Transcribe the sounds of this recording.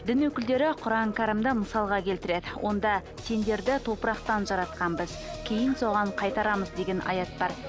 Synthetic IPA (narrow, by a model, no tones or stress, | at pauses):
d̪ɪnwɵkʲɪld̪e̞ɾɪqʰʊɾɑŋkaɾəmd̪əməsɑlˠʁɑkʲʰe̞lt̪ɪɾe̞d̪ɪwʔo̞̰nd̪ɑ | se̞nd̪e̞ɾd̪ɪt̪ʰo̞pəɾɑqt̪ɑnʒɑɾɑt̪̚qɑnbɪzkʲʰe̞jɪnso̞ʁɑɴqʰɑjt̪ɑɾɑməzd̪e̞ɡʲe̞nʔɑ̰jɑt̪̚bɑɾ